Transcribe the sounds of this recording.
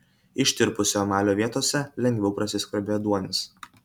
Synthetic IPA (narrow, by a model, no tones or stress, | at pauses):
ɪʃʲt̪ʲɪɾpʊsʲomɑːlʲoːʋʲiɛt̪oːsʲɛlʲɛŋʲɡʲʋʲɛʊpɾɐsʲɪsʲkʲɐɾʲbʲeːjod̪uɔnʲɪs